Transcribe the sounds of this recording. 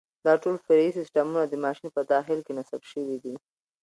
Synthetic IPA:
d̪ɑʈolfɪɾaisɪsʈamunad̪əmɑʃinpəd̪ɑxɪlkenasabʃəwid̪i

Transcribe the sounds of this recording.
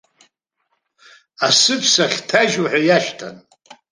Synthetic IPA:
asɨpʰsaχʲtʰaʒaħʷajaʃtʰa̰n

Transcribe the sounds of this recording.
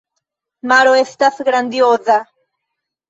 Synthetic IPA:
maɾoest̪aθɡɾand̪ioða

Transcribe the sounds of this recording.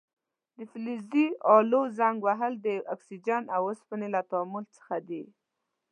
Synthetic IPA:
d̪əfliziɑlozaŋɡwaɦəld̪əʔaksid͡ʒanawəspənelat̪ɑmult͡sə̥xad̪i

